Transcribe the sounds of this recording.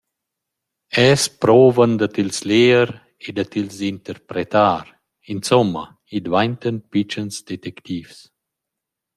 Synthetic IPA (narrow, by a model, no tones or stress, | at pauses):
ɛspɾoːvənd̪ət̪ilsleːəɾ | ed̪at̪ilzint̪əɾpɾɛt̪aːɾ | insɔmːɐ | id̪vajnt̪ənpit͡ʃənsd̪ɛt̪ɛkt̪iːvs